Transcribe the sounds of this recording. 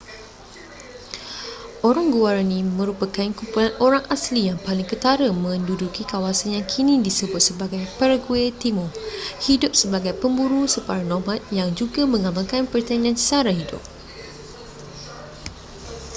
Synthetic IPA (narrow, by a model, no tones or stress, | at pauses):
ʔoɾaŋɡuaɾanĩmə̃ɾupakankumpulanoɾaŋʔaslijaŋpalɪŋkət̪aɾəmə̃ndudukikawasanjaŋkʰinĩdisəbʊt̪̚səbaɡajpəɾəɡuet̪imɔ̃hidʊp̚səbaɡajpəmbuɾusəpaɾanɔmãt̪̚jaŋd͡ʒuɡamə̃ŋamãlkanpərt̪anĩãnsaɾaɦidʊ̰p̚